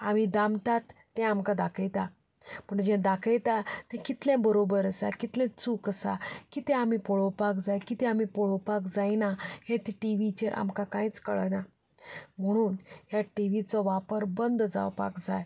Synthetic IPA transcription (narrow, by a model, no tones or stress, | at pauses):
a̰mid̪amt̪at̪ːɛ̃amkad̪akʰəjt̪a | pəɳd͡ʑɛ̃d̪akʰəjt̪at̪ɛ̃kit̪lɛ̃bəɾobəɾəsa̰kit̪lɛ̃t͡suːkəsa̰kit̪ɛ̃amipɔɭopakd͡zajkit̪ɛ̃amipɔɭopakd͡zajnahẽt̪iʈiʋit͡ɕeɾʔa̰mkakãĩt͡skə̰ɭna | m̤əɽ̃uːnjaʈiʋit͡sɔʋapəɾbənd̪d͡za̰wpa̰kd͡zaj